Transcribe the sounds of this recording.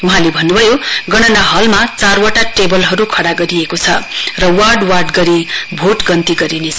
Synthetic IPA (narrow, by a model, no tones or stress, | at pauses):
uɦãlebʱʌnːubʱʌjoɡʌɽ̃ʌnaɦʌlmat͡sarwaʈaʈebʌlɦʌɾukʰʌɽaɡʌɾiekot͡sʰʌ̰rʌwarɖwarʈɡʌɾibʱoʈɡʌnt̪iɡʌɾinet͡sʰ